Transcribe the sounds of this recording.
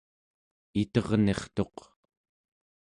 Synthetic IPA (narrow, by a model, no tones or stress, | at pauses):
it̪ʌʁne̞χt̪o̞q